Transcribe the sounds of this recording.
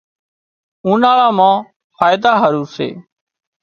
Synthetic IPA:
ũːnaːɭãːmãː | faːjɪd̪aːɦəɾuːsḛː

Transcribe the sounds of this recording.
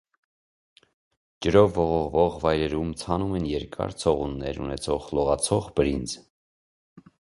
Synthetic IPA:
d͡ʒəɾɔvːɔʁɔʁvɔʁvɑjɾɛɾumt͡sʰɑnumɛnjɛɾkʰɑ̰ɾt͡sʰɔʁunːɛɾṵnɛt͡sʰɔʁlɔʁɑt͡sʰɔʁbəɾind͡z

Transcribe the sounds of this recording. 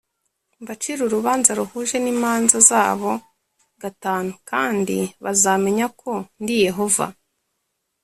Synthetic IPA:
bat͡ʃiɾuɾuβaːnzaɾuhuːʒe̞niːmaːnzazaːβo̞ | ɡataːnukaːndḭβazaːme̞ɲakʰo̞ndije̞ɦo̞va̰

